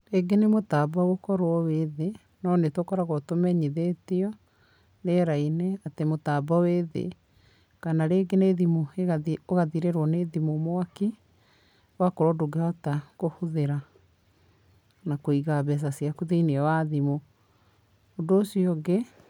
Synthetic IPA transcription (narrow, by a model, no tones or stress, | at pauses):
eɡenemotaːbɔɣokɔɾwɔweðe | nɔnetwokɔɾaɣɔtomɛɲiðetiɔ | neɾaineatemotabɔweðḛ | kanaɾeːɡeneːðimoeɣaioɣaðiɾeɾwɔneðimomoaki | wakoɾɔdoɡeatakohuðeɾa | nakoiɣaβɛs̬asiakuðeiniɛwaðimo | doːsiɔɡe